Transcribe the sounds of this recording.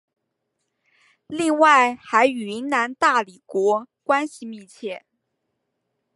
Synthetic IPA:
li˥˧ŋwa˥˩ɪxa˧˥ɪy˨˩i˧˥ŋna˧˥nt̪a˥˩li˨˩kwɔ˧˥kwa˥nɕi˨˧mi˥˧t͡ɕʰjɛ˥˩

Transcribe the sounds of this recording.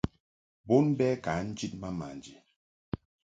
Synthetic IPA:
bo˦nbɛ˦ka˨˦n̩˦d͡ʒi˦t̚ma˦ma̰˨nd͡ʒe˨

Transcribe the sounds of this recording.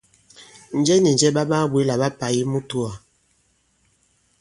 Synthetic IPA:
n̩˨˦d͡ʒɛ˦ni˨n˨d͡ʒɛ˦ɓa˦ba˦bwe˨˦la˨ba˦pa˨ji˦mu˦tu˦a˨

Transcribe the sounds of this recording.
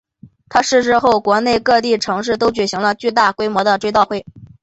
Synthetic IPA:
t̪ʰa˥ʂɻ̩˥˧ʂɻ̩˥˧xo˥˩ʊkwɔ˧˥ne˥˧ɪkɤ˥˧t̪̬i˥˩ʈ͡ʂʰɤ˧˥ŋʂɻ̩˥˩t̪o˥ʊt͡ɕy˨˩ɕi˧˥ŋlə˧t͡ɕy˥˧t̪a˥˩kwe˥ɪmwɔ˧˥d̪ə˧ʈ͡ʂwt̪ɑ˥˧ʊxwe˥˩ɪ

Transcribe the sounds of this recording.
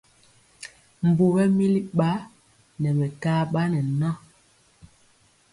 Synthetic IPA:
m̩˨bu˨bɛ˦mi˦li˦ɓa˦ | nɛ˨mɛ˨kaː˦ɓa˦nɛ˨na˦

